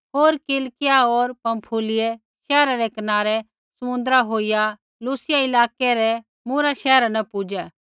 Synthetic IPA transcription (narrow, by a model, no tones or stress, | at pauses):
ɦoːɾkɪlkɪjaoːɾpɐ̃mpʰuːlɪje | ʃɛːɾaɾɛkɐnaːɾɛ | sɐmʊ̃nd̪ɾaɦoːija | luːsɪjaɪlaːkɛɾɛ | muɾaʃɛːɾanɐpʊd͡ʒɛ